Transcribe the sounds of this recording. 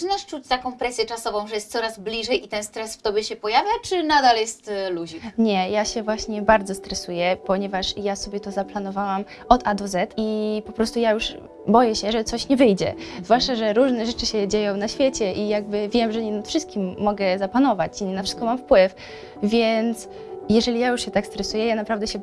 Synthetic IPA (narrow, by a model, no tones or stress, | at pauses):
naʂt͡ʂut͡ɕt̪akɔ̃w̃pɾɛsʲjɛt͡ʂasɔvɔ̃w̃ʐɛjɛst̪sɔɾazblʲiʐɛjit̪ɛnst̪ɾɛsft̪ɔbʲjɛɕɛpɔjavʲjat͡ʂɘnad̪aljɛst̪luʑikɲɛjaɕɛvwaɕɲɛbaɾd̪zɔst̪ɾɛsujɛpɔɲɛvaʂjasɔbʲjɛt̪ɔzaplanɔvawam | ɔd̪ad̪ɔzɛt̪ipɔpɾɔst̪ujajuʂ | bɔjɛɕɛʐɛt̪sɔɕɲɛvɘjd͡ʑɛ̰zvwaʂt͡ʂaʐɛɾuʐnɛʐɛt͡ʂɘɕɛd͡ʑejɔ̃w̃naɕfʲjet͡ɕɛʔijaɡ̚bɘvʲjɛmʐɛɲɛnat̪fʂɘst̪̚kʲimːɔɡɛzapanɔvat͡ɕiɲnafʂɘ̥st̪kɔmamfpwɘf | vʲjɛnt̪s | jɛʐɛlʲijajuʂɕɛt̪akst̪ɾɛsujɛjanapɾavd̪ɛɕɛ